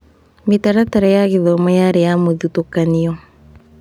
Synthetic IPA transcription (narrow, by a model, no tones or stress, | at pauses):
metaɾataɾejaɣiðɔmɔjaɾejamoðutokaniɔ